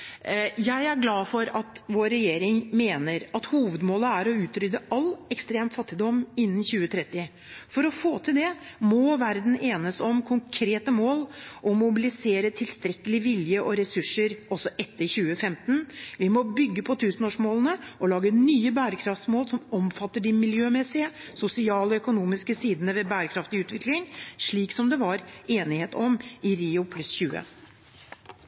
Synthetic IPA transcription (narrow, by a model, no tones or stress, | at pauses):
jæɪæɾɡlɑːfɔɾɑt̪ʋoːɾɛjeːɾɪŋmeːnəɾɑt̪huːʋəd̪moːləæɾɔʉːt̪ɾʏd̪əʔɑlɛkst̪ɾeːmt̪fɑt̪ːɪd̪ɔmːɪnːnçʉːət̪ʰɾɛt̪ːɪ | fɔɾɔfoːt̪ʰɪld̪ɛmɔʋæɾd̪n̩eːnəsɔmkʰʊŋkʰɾeːt̪əmoːlʔɔmʊbɪlɪseːɾət̪ʰɪlst̪ɾɛkːəlɪʋɪljəʔɔɾɛsʉʂːəɾɔsːɔʔɛt̪ːəɾçʉːəfɛmt̪nʋɪmɔbʏɡːəpʰɔt̪ʰʉːsənoːʂmoːlənəʔɔlɑːɡənyːəbæːɾəkʰɾɑft̪smoːlsɔmɔmfɑt̪ːəɖɪmɪljøːmɛsɪəsʊsɪɑːlɔœkʊnuːmɪskəsiːd̪ənəʋɛbæːɾəkʰɾɑft̪ɪʉːt̪ʋɪklɪŋʂɭiːksɔmd̪ɛʋɑɾeːnɪheːt̪ɔmɪɾiːʊpʰlʉsçʉːə̰